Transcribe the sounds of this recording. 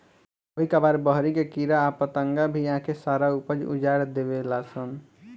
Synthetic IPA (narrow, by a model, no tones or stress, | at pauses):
oɦikabaɾbəɦɾikekiɾaːpət̪əŋɡabʱijəɦãkesaːɾaupəd͡ʒṵd͡ʒaɾd̪ebelasən